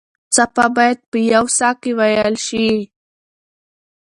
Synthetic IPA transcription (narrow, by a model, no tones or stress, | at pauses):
t͡sapabajt̪̚pɪjawsakɪwajalʃi